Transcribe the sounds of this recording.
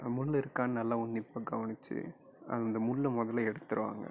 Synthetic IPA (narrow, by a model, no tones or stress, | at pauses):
mʊlːɪɾɯkːaːnɐnɐlːaːʊnːɪpːaːɡɐʋɐnɪt͡ʃːɯ̰ | ʔɐ̰nd̪ɐmʊɭːɐmɔðɐlɐɛɽɯt̪ːɯɾɯʋa̰ːŋɡɐ̰